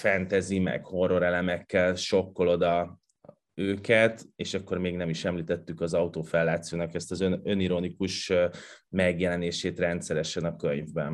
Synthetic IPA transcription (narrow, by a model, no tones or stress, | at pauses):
fɛnt̪ɛzimɛ̰kho̞rːo̞ɾɛlɛmɛkːɛlʃo̞kːo̞lo̞d̪ɒ | øːkɛt̪eːʃɒkːo̞rmeːɡnɛmiʃɛmliːt̪ɛt̪ːykɒzɒut̪oːfɛlːaːt̪soːnɒkɛst̪ɒzønøniɾonikuʃ | mɛɡjɛlɛneːʃeːt̪rɛnt̪sɛɾɛʃɛnɒkøɲvbɛn